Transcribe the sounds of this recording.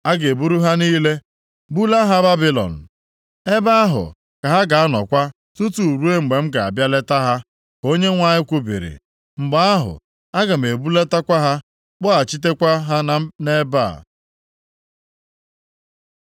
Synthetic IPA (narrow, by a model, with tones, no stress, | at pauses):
a˦ɡe˨bu˦ɾu˦ɦa˦niː˦le˦ | bu˦la˦ɦa˦ba˦bi˦lɔ̰˨n̩˨ | e˦ba˦a˦ɦʊ̰˨ | ka˨ɦa˦ɡa˨a˦nɔ̰˨kʷa˦ | tu˦tu˨ɾu˦e˦ŋ͡m̩˨ɡ͡be˨m̩˦ɡa˨a̰˨bja˦le˦ta˦ɦa˦ | ko˦ɲe˦ŋʷa˦ɲɪ˦kʷu˦bḭ˨ɾḭ˨ | ŋ͡m̩˨ɡ͡ba˦a˦ɦʊ̰˨ | a˦ɡa˨m̩˨e˨bu˦le˦ta˦kʷa˦ɦa˦ | k͡pʊ˦a˨t͡ʃi˦t̬e˦kʷa˦ɦa˦n˦ne˦ba̰˦˨